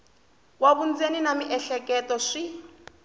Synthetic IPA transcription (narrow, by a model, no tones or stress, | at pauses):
waβund͡zeninamiʔɛɬɛkʼɛtɔʂi